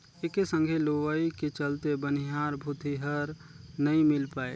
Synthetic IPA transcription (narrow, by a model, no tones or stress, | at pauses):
ekesə̃ŋɡʱeloʋaiket͡ʃəlt̪ebəniɦaːɾbʱut̪iɦəɾ | nəĩmɪlpaːḛ